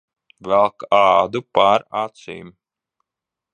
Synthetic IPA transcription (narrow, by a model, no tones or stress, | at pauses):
vɛlˠkaːd̪upaɾat̪sḭːm